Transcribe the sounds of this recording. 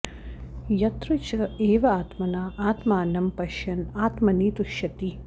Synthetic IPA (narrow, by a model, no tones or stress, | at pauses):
jɐt̪ɾut͡ʃɐeːʋɐaːt̪mɐnaːaːt̪maːnɐmpɐʃjɐnaːt̪mɐniːt̪uʃjɐt̪i